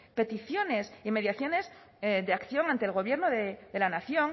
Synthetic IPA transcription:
pe̞t̪iθjo̞ne̞sime̞ðjaθjo̞ne̞z | deakθjo̞ŋant̪elɣo̞β̞je̞ɾnoðeðe̞lanaθjo̞ŋ

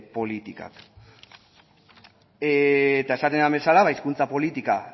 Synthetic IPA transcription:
po̞lit̪ika̰k | et̪ae̞sat̪e̞nambe̞salaβaiskunt͡sapo̞lit̪ika

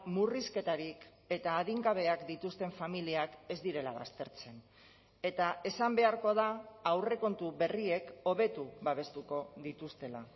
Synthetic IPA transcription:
muriske̞t̪aɾik | e̞t̪aːðiŋɡaβ̞e̞akd̪it̪ust̪e̞ɱfamiliake̞zd̪iɾe̞laβa̰st̪e̞ɾt͡se̞n | e̞t̪ae̞sambe̞aɾko̞ð̞aːwre̞ko̞nt̪uβe̞rie̞ko̞β̞e̞t̪uβaβe̞st̪uko̞ðit̪ust̪e̞la̰

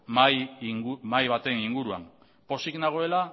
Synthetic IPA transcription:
majŋumajβat̪e̞niŋɡuɾua̰m | po̞siɡnaɣ̞o̞e̞la

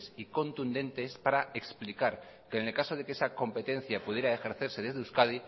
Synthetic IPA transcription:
siko̞nt̪und̪ẽ̞nt̪e̞spaɾae̞ksplikaɾkeːnelkaso̞ð̞e̞kesako̞mpe̞t̪e̞n̟θjapuð̞je̞ɾaexe̞ɾθe̞ɾse̞ðe̞zðeuskað̞i

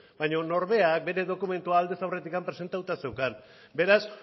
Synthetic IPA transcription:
bajɲo̞no̞ɾβe̞ak̚be̞ɾe̞ðo̞kume̞nt̪uaːld̪e̞sawre̞t̪ikampɾe̞se̞nt̪at̪ut̪ase̞wkan | be̞ɾas

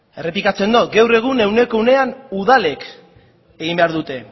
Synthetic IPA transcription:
e̞re̞plikat͡se̞nd̪ot̪ɡawre̞ɣ̞une̞wne̞koune̞anuðale̞k | eɣ̞imbe̞aɾðut̪e̞

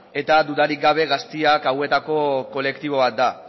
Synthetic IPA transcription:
e̞t̪ad̪uðaɾik̚ɡaβ̞e̞ɣast̪iakawe̞t̪ako̞ko̞le̞kt̪iβ̞o̞β̞at̪̚d̪a

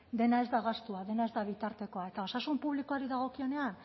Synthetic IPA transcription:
d̪e̞nae̞zd̪aɣast̪uaðe̞nae̞zd̪aβit̪aɾt̪e̞ko̞ae̞t̪ao̞sasumpuβliko̞aɾiðaɣ̞o̞kio̞ne̞an

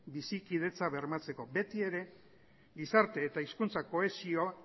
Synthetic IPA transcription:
bisikið̞e̞t͡saβe̞ɾmat͡se̞ko̞be̞t̪ie̞ɾe̞ | ɡisaɾt̪e̞ːt̪aiskunt͡sako̞e̞sio

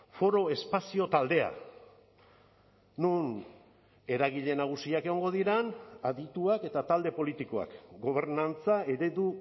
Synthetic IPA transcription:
fo̞ɾo̞e̞spasio̞t̪ald̪e̞a̰ | nun | e̞ɾaɣ̞iʎe̞naɣ̞usiakeɣo̞ŋɡo̞ðiɾanaðit̪uake̞t̪at̪ald̪e̞po̞lit̪iko̞a̰kɡo̞β̞e̞ɾnant͡sae̞ɾe̞ðu

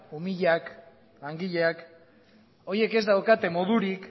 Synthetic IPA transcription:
umiʎak | aŋɡiʎe̞ak | o̞ɾie̞ke̞zd̪awkat̪e̞mo̞ð̞uɾik

